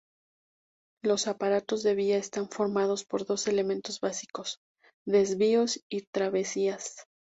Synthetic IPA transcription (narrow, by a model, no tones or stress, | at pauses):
lo̞sapaɾat̪o̞zðe̞βiaest̪aɱfo̞ɾmað̞o̞spo̞ɾðo̞se̞le̞mẽ̞nt̪o̞zβasiko̞s | ðe̞zβio̞sit̪ɾaβe̞sias